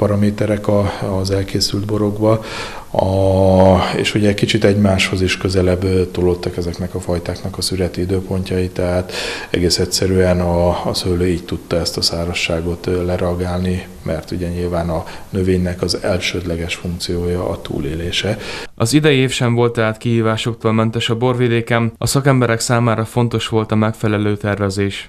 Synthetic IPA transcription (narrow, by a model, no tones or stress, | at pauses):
pɒɾɒmeːt̪ɛɾɛkɒzɛlkeːsyld̪bo̞ɾo̞ɡbɒ | ḛːʃuɟɛɛckit͡ʃit̪ɛɟmaːʃho̞ziʃkø̞zɛlɛbt̪olo̞t̪ːɒkɛzɛknɛkɒfɒjt̪aːknɒkɒsyɾɛt̪iid̪øːpo̞ɲcɒit̪ːɛɦaːt̪ɛ̰ɡeːsɛcsɛɾyɛnɒːsøløːiːc̚t̪ut̪ːɒɛst̪ɒsaːɾɒʃːaːɡo̞t̪lɛɾɛɒɡaːlni | mʔɛrt̪uɟɛɲilvaːnɒnøveːɲːɛkɒzɛlʃøːd̪lɛɡɛʃfuŋkt̪sijoːjɒʔːt̪ṵːleːleːʃɛɒzid̪ɛjieːfʃɛɱvo̞lt̪ːɛɦaːt̪kiɦiːvaːʃo̞kt̪oːlmɛnt̪ɛʃɒbo̞rvid̪eːkɛmɒsɒkɛmbɛɾɛksaːmaːɾɒfo̞nt̪o̞ʃʋo̞lt̪ɒmɛkfɛlɛløːt̪ɛrvɛzeːʃ